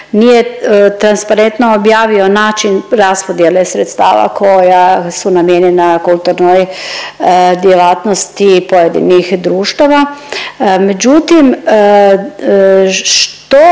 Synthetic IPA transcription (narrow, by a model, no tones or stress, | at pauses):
nijet̪ɾanspaɾent̪noːbjaːʋio̞naːt͡ʃinɾaspod̪jelesɾet̪st̪a̰ːʋa̰kʰo̞jasunamjeɲenakulˠt̪uɾnoj | d̪jelaːt̪nost̪ipojed̪ḭnixd̪ɾuːʃt̪aʋa | med͡ʒut̪im | ʃt̪o